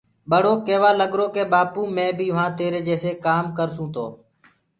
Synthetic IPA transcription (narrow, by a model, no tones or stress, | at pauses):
ɓəɽ̤oːkeːʋaːləɠɾoːkeːɓaːpũːmẽːbʱiːʊɦãːt̪eːɾeːd͡ʒeːseːkaːmkəɾsũːt̪ʰo̰ː